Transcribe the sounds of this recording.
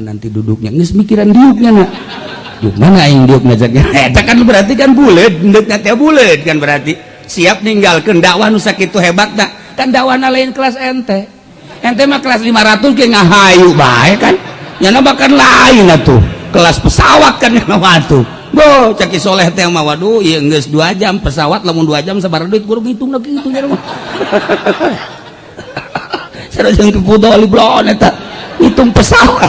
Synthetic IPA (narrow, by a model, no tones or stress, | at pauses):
na̰nt̪idudʊk̚ɲa̰nismikiɾandiuk̚ɲana | diṵk̚manaiŋdiuk̚nad͡ʒak̚ɲaed͡ʒakːanbəɾart̪ikanbuled̪̚ndək̚ɲat̪eabuled̪̚kanbəɾart̪i | siap̚niŋɡalkəndawahnusakit̪uɦebat̪̚na | kandawahnalainkəlasɛnt̪ɛ | ɛnt̪ɛmakəlaslimaɾat̪uskɛŋaɦajuba̰ɛkanɲanabakanlainat̪ṵkəlaspəsawat̪̚kanɲanawat̪u | bot͡ʃakisolaet̪ejaŋmawadujəŋɡəsduad͡ʒampəsawat̪̚lamʊnduad͡ʒamsabaɾanduit̪uɡuɾuŋit̪ʊŋnakit̪uɲaɾima | saɾod͡ʒəŋk̪ipudɔlibəlonɛt̪aŋit̪ʊŋpəsawat̪̚